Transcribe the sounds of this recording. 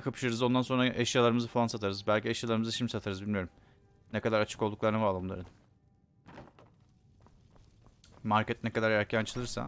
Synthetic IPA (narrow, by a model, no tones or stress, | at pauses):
kʰapʰɯ̥ʃɯɾɯzo̞nd̪anso̞nɾaʔeʃjalˠaɾɯmɯzɯfalˠansat̪ʰaɾɯzbælʲcieʃjalˠaɾɯmɯzɯʃimd̪ʲisat̪ʰaɾɯzbilʲmijo̞ɾum | nɛkad̪aɾat͡ʃʰɯ̥ko̞lˠd̪uklˠaɾɯnavaːlˠamlˠa̰ɾɯn | maɾcʰɛt̪̚nɛkad̪aɾæɾcʰænt͡ʃʰɯlˠɯɾsa̰